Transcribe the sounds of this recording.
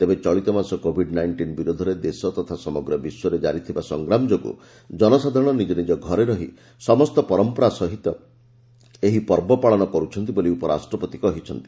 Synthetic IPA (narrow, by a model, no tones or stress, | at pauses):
t̪ebet͡ʃɔɭit̪ɔmasɔkobʱiɖnajɳʈinbiɾud̪ʱɔɾed̪esɔt̪ɔt̪ʰasɔmɔɡɾɔbiswɔɾed͡ʒaɾit̪ʰibasɔŋɡɾamd͡ʒoɡṵ | d͡ʒɔnɔsad̪ʱaɾɔɽ̃ɔnid͡ʒɔnid͡ʒɔɡʱɔɾeɾɔɦi | sɔmɔst̪ɔpɔɾɔmpɔɾasɔɦit̪ɔ | eɦipɔɾbɔpaɭɔnɔkɔɾut͡ʃʰɔnt̪iboliupɔɾa̰sʈɾɔpɔt̪ikɔɦit͡ʃʰɔnt̪i̥